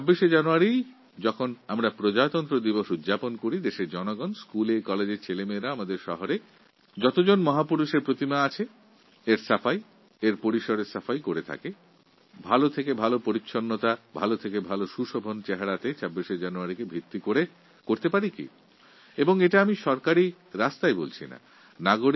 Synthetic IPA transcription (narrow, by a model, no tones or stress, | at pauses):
t͡ɕabːiʃed͡ʑanuaɾi | d͡ʑɔkʰonamɾapɾod͡ʑat̪ɔnt̪ɾod̪iboʃud̪d͡ʑaponkoɾid̪eʃeɾd͡ʑɔnoɡɔnskulekɔled͡ʑeɾt͡ɕʰelemeɾaamad̪eɾʃɔ̰ɦoɾe | d͡ʑɔt̪od͡ʑonmɔɦapuɾuʃeɾpɾot̪imaat͡ɕʰe | eɾsafaj | eɾpoɾiʃoɾesafajkoɾet̪ʰa̰ke | bʱalot̪ʰekebʱalopoɾitːɕʰonːot̪abʱalot̪ʰekebʱaloʃuʃobʱont͡ɕɛɦaɾat̪et͡ɕabːiʃed͡ʑanuaɾikebʱit̪ːikoɾe | koɾt̪epaɾikḭ | eboŋeʈaamiʃɔɾkaɾi | ɾast̪aebolt͡ɕʰḭna̰ | naɡoɾ